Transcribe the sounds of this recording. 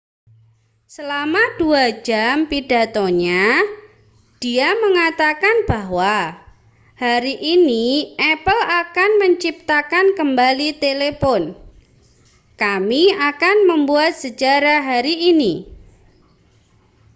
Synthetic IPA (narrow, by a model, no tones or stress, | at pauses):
səlamad̥uad͡ʒampidat̪oɲa | d̥iaməŋat̪akanb̥aɦwa | haɾiʔiniʔɛpəlakanməɲt͡ʃip̚t̪akankəmbalit̪elepɔn | kamiakanməmbuat̪̚səd͡ʒaɾaɦaɾiʔːni